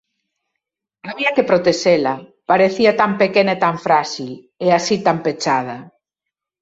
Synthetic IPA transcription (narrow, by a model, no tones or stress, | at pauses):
aβiakepɾot̪eselapaɾeθiat̪ampekenaet̪aɱfɾaʃil | easit̪ampet͡ʃað̞a